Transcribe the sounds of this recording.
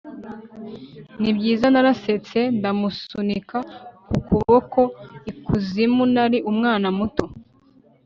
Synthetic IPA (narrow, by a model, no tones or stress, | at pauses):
nibɟiːzanaɾase̞t͡se̞ndamusunikakukuβoko̞ikuzimunaɾiʔumŋaːnamuto